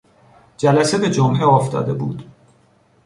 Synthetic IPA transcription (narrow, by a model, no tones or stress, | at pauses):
d͡ʒælæsebe̞d͡ʒomheɔːft̪ɒ̰ːd̪e̞buːd̪̥